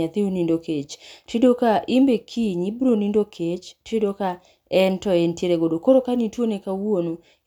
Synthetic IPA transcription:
at̪iunindoket͡ʃtidokaʔimbekʰiɲibɾonindokʰet͡ʃtidoka | ɛntɔentjeɾeɡodokoɾokanitwonekawono

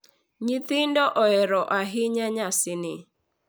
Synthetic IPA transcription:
ɲit̪ɪndɔʔɔɛɾɔʔaɦɪɲaɲasɪnɪ

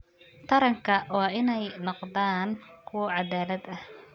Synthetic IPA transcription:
t̪ʰɐɾɐŋkʰɐʔɔːɪnɛjnɔqd̪aːnkʰʊwɐʕɑðaːlɐd̪ɐh

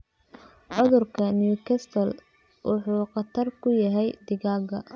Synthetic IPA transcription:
ʕʊðʊrkʰɐnjuːkʰɛst̪ʰɐl | wʔʊħuːqɑt̪ʰɐrkʰʊjɐɦɛjd̪ɪɣaːɡɐ̰

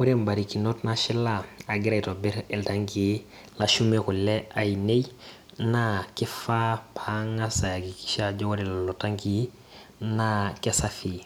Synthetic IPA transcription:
wuɾembaɾikinotnaʃilaaɡɪɾajtobɛɾɛltaŋɡi | laʃumekulɛainej | nakɛfapʰaŋasajakiki̥ʃad͡ʒowɾillotaŋɡi | nakɛsafi

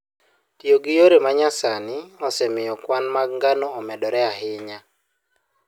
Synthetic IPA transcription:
tjoɡɪjoɾemaɲasanɪɔsɛmɪjɔkwanmaɡŋɡanɔːmɛdɔɾɛaɦɪɲa

